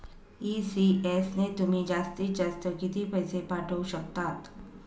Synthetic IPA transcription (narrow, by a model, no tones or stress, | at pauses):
iːsiɛːsnet̪ʊmẽd͡ʒaːst̪id͡ʒast̪əkit̪ipɐɦɪsepaːʈʰəuʃɐk̚t̪aːt̪